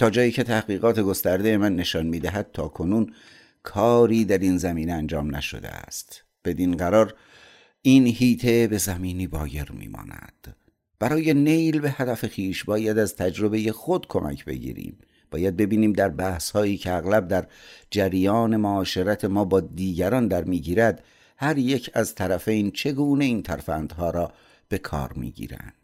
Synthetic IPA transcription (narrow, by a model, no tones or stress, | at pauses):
t̪ʰɒːd͡ʒɒːjiːcʰe̞t̪ʰæhɡiːɣɒːt̪ʰe̞ɡo̞st̪æɾd̪ejemænːe̞ʃɒːnmiːd̪æɦæd̪̥̚t̪ʰɒːkʰo̞nuːn | kʰɒːɾiːd̪æɾinzæmiːneænd͡ʒɒːmnæ̰ʃo̰d̪ḛæ̰st̪ | b̥e̞d̪inɢæɾɒːɾ | iːnhiːt̪ʰe̞be̞zæmiːniːbɒːje̞ɾmḭːmɒ̰ːnæ̰d̪̥ | b̥æɾɒːje̞ne̞jlbe̞hæd̪æfexiːʃbɒːjæd̪æzt̪ʰæd͡ʒɾo̞be̞je̞xo̞d̪kʰo̞mʔæ̰cʰbe̞̰ɟḭːɾḭːm | b̥ɒːjæd̪̚be̞biːniːmd̪æɾbæːhshɒːiːcʰeæɣlæb̚d̪æɾd͡ʒæɾijɒːne̞moɒːʃe̞ɾæt̪ʰemɒːbɒːd̪iːɟæɾɒːnd̪æɾmiːɟiːɾæd̪ | hæɾje̞cʰæzt̪ʰæɾæfejnt͡ʃʰe̞ɡuːne̞iːnt̪ʰæɾfænd̪hɒːɾɒː | b̥e̞kʰɒ̰ːɾmḭːɟḭːɾæ̰nd̪̥